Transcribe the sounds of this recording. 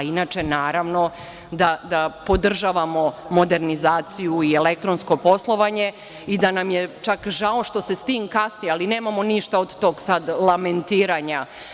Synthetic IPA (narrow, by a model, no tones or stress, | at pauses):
inaːt͡ʃe̞naːɾaʋno̞ | d̪ad̪apo̞d̪r̩ʒaːʋamo̞mo̞d̪e̞ɾnizaːt̪sijuiele̞k̚t̪ɾonsko̞po̞slˠo̞ʋaɲe̞ | id̪anamjet͡ʃakʒao̞ʃt̪o̞se̞st̪iːŋkasnijealine̞ːmamo̞niʃt̪aod̪t̪o̞ːɡsad̪lˠame̞nt̪iːɾaɲa